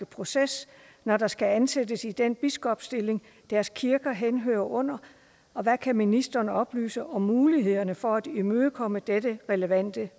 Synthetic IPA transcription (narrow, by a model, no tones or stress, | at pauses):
əpʰʁo̝ses | nɒɾɑ̈sɡ̥æænsed̥əsid̥enb̥isɡ̥ɒ̽b̥sd̥e̝le̝ŋ | d̥æɐskʰiɐɡ̥ɐɦenɦø̰ːɐʔɔ̽n̰ɐ | ɒ̽ʋækʰæminisd̥ɐnɒ̽b̥ly̰ːsəʔɒ̽mːuːliɦe̝ð̞̰ˠɐnəfɒ̽æd̥imøðˠəkʰɒ̽məd̥ed̥əʁɛləʋæn̰d̥ə